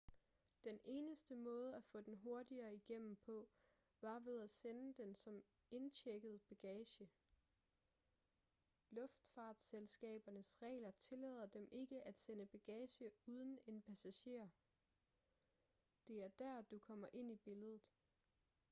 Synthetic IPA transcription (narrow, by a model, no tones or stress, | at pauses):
d̥ene̝ːnəsd̥əmɔ̽ːð̞ˠəæfɔ̰̽ːd̥enɦo̝ɐd̥iɐːiɡ̥em̰m̩pʰɒ̽ | ʋɑ̈ʋe̝ð̞ˠæsenəd̥ensɒ̽m | e̝nt͡ɕʰeɡ̥əð̞̩ˠb̥æɡ̥ɛːɕə | lɔ̽fd̥fɑ̈ːd̥selsɡ̥ɛ̰ːb̥ɐnəsʁɛ̰ːlɐt͡sʰe̝lɛ̰ːð̞ˠɐd̥emʔe̝ɡ̥əʔæd̥senəb̥æɡ̥ɛːɕəuð̞ˠən̩e̝npʰæsæɕe̝̰ɐ̰ | d̥e̝æɐd̥æɐ̰d̥ukʰɒ̽m̰ɐʔe̝n̰ib̥e̝ləð̞ˠð̩ˠ